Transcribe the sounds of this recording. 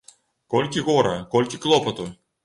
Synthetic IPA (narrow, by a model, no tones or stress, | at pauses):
kolʲkʲiɣɔɾɐ̰kolʲkʲɪklˠɔpɔt̪u